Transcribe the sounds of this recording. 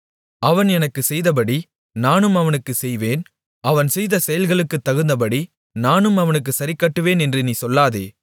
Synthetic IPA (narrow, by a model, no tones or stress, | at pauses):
ɐʋɐnɛnɐkːɯsɛjðɐp̬ɐɽi | naːnɯmɐʋɐnɯkːɯsɛjʋeːn | ɐʋɐnsɛjðɐsɛjɐlɣɐɭɯkːɯt̪ːɐɣɯnd̪ɐpɐɽi | naːnɯmɐʋɐnɯk̬ːɯsɐɾɪkːɐʈːɯʋeːnɛndrɯniːsɔlːaːðḛː